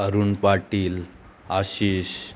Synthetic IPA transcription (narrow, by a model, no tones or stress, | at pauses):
əɾuːnpaɾʈiːl | aɕiɕ